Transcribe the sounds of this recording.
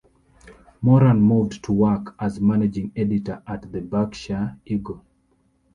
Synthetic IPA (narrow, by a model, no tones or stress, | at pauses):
mɔɾãnmuvdtʰuwakʰazmaned͡ʒĩŋɛditəʔatðəbakʃaiɡo